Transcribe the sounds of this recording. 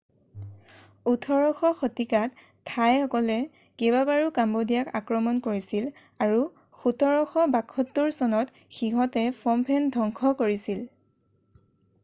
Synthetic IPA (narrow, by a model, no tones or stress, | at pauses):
utʰɔɹɔxɔxotikatʰː | ajɔkɔlɛ | kebabaɹukambɔdijakakɹɔmɔnkoɹisil | aɹu | xutʰɔɹɔxɔbakʰːɔtːuɹsɔnɔt | xiɦɔtɛpʰɔmpʰɛndʱɔŋkʰɔkoɹisil